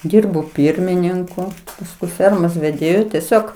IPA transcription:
ˈdʲiːrboː ˈpʲiːrʲmʲɪnʲɪŋkʊ pɐsˈkʊɪ ˈfʲɛrmoːs ʋʲɛˈdʲeːjʊ tʲɛˈsʲoːk

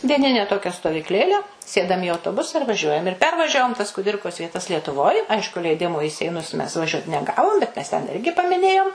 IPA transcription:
dʲiɛˈnʲɪnʲɛ ˈtoːkʲɛ stoːʋʲiːkˈlʲeːlʲɛ ˈsʲeːdɐm ɪ ɐʊtoːˈbʊsɐ ɪr ʋɐˈʒʲuɔjɛm ɪr ˈpʲɛrʋɐʒʲɛʋoːm tɐs kʊˈdʲɪrkoːs ʋʲiɛˈtɐs lʲiɛtʊˈʋoːj ˈɐɪʃkʊ lʲɛɪˈdʲɪmoː iː sʲɛɪˈnʊs mʲɛs ˈʋɑːʒʲuɔt nʲɛˈɡɑːʋoːm bʲɛt mʲɛs tʲɛn ˈɪrʲɡʲɪ pɐmʲɪˈnʲeːjoːm

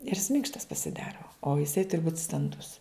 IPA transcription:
ɪr jɪs ˈmʲɪŋkʃtɐs pɐsʲɪˈdɑːroː oː jɪˈsɐɪ ˈtʊrʲɪ buːt stɐnˈdʊs

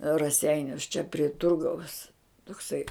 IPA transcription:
rɐˈsʲɛɪnʲʊs t͡ʃʲɛ pʲrʲɪ ˈtʊrɡɐʊs toːkˈsɐɪ

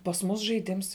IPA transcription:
pɐs ˈmʊs ʒɐɪˈdʲɪms

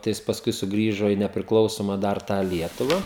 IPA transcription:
tɐɪ ˈjɪs pɐsˈkʊɪ sʊˈɡrʲiːʒoː iː nʲɛpʲrʲɪklˠɐʊˈsoːmɐ dɐr ˈtɑː ˈlʲiɛtʊʋɐ

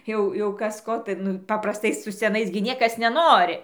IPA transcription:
ˈjɛʊ jɛʊ ˈkɐs ˈkoː tɐɪ ˈnʊ pɐprɐsˈtɐɪ sʊ sʲɛˈnɐɪs ɡʲɪ ˈnʲiɛkɐs nʲɛˈnoːrʲɪ

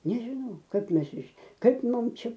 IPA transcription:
nʲɛʒʲɪˈnɐʊ ˈkɐp ˈmʲɛs ɪʃ ˈkɐɪp ˈmʊm ˈt͡ʃʲɛ

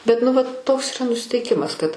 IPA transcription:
bʲɛt nʊ ˈʋɐt ˈtoːks iːˈrɐ nʊsʲɪtʲɛɪˈkʲɪmɐs kɐt

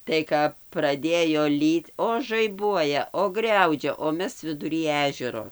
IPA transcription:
tɐɪ ˈkɐp prɐˈdʲeːjoː ˈlʲiːt oː ʒɐɪˈbuɔjɛ oː ˈɡrʲɛʊd͡ʒʲɛ oː ˈmʲɛs ʋʲɪdʊˈrʲiː ˈæːʒʲɛroː

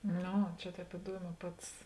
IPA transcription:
ˈnoː ˈt͡ʃʲɛ ˈtʲɛːp ɪˈduɔˌmʲɛː ˈpɐts

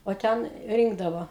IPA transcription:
oː ˈtʲɛn ˈrʲiːŋɡdɐʋoː

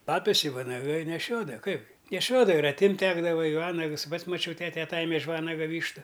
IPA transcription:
ˈpɑːpʲɛs ɪ ʋɐnɐˈɡɐɪ nʲɛˈʃʲoːdɐʋɐ ˈkɐɪbʲɡʲɪ nʲɛˈʃʲoːdɐʋɐ ɪr ɐtʲˈɪmʲtʲ ˈtʲæːɡdɐʋɐ ɪ ˈʋɑːnɐks ˈpɐts ˈmɑːt͡ʃʲɛʊ ˈtʲæːtʲɛ ɐˈtɑːjɛmʲɛ ɪʃ ˈʋɑːnɐɡɐ ˈʋʲiːʃtʊ

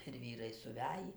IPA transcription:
ɪr ˈʋʲiːrɐɪ sʊˈʋʲæjiː

